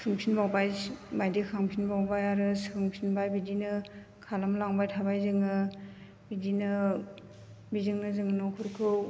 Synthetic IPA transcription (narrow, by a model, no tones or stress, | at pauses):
sʰɯŋpʰinbawbajmajdekʰaŋpʰinbawbajaɾɯsɯŋpʰinbajbidinɯ | kʰalamlaŋbajtʰabajzɯŋɯ | bidinɯ | bizɯŋnɯzɯŋɯnɔkʰuɾkʰɯw